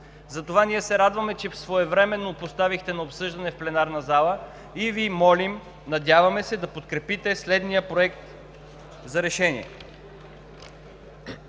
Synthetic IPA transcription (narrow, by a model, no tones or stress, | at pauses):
zɐt̪ovanʲiɛsɛɾad̪vɐmɛt͡ʃɛfsvoɛvɾɛmɛnːopost̪avixt̪ɛnɐopsɤʒd̪ɐnɛfplɛnaɾnɐzalˠə | ivimɔlim | nɐd̪ʲjavɐmɛsɛd̪ɐpot̪kɾɛpit̪ɛslɛd̪nijəpɾoɛk̚t̪ | zɐɾɛʃɛnḭɛ̰